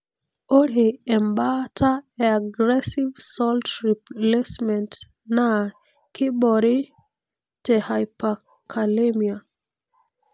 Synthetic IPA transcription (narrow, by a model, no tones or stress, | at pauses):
oɾiɛmbatʰaeaɡɹɛsivsɔltɹiplesmɛ̃nt | na | kʰibɔɾi | tehajpa | kʰalemia